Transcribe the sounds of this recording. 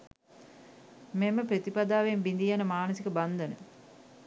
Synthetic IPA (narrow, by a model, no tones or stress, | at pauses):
meməpɾət̪ipad̪aːʋembind̪ijanəmaːnəsikəband̪ənə